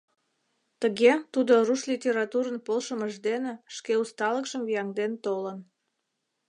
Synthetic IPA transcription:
t̪əɣet̪ud̪oruʃlʲitʲeɾɑt̪uɾənpolʃəməʒd̪eneʃkeust̪ɑləkʃəmvijɑŋd̪ent̪olən

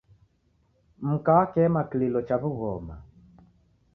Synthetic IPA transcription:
m̩kaːkɛmakililɔt͡ʃaβuɣɔma̰

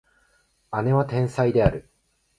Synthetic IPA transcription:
ane̞βat̪ẽ̞ɰ̃said̪e̞aɾɯ̟

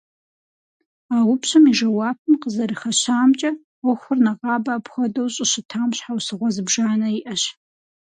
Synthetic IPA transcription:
aːwʊpɕɐmiʒɐwɑːpʰɨmqəzɐɾɨxɐɕaːmt͡ʃʼɐ | ɔxʷʊrnɐʁɑːbaːpxʷɔdɐwɕʼɪɕɪtʰaːmɕħawsɨʁʷɔzɨbʒaːnɐiʔɐɕ

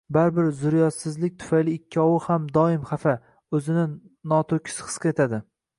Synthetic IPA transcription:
baɾbɪɾzʊɾjɒt̪sɪzlɪk̚ʲt̪ʰʊ̥fajlɪːkʲʰːɒwɪhamd̪ɒɪmχafa | ɵzɪnɪ | nɒt̪ʰokʲʰɪ̥sχɨ̥sqɨet̪ʰad̪ɪ

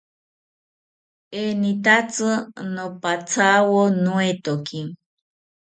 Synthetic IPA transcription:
enit̪at͡sɨnõpat͡sʰawonũet̪oki

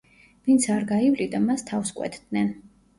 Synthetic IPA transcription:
vint̪sʰaɾɡaivlid̪amast̪ʰafskʼwɛ̰t̪ʰd̪̥nɛn

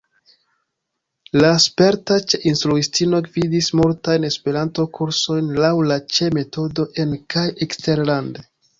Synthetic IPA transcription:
laspe̞ɾtat͡ʃe̞ʔinstɾuistino̞ɡvidismultajne̞spe̞ɾanto̞kuɾso̞jnlawlat͡ʃe̞me̞to̞do̞ʔe̞nkajʔekste̞ɾlande

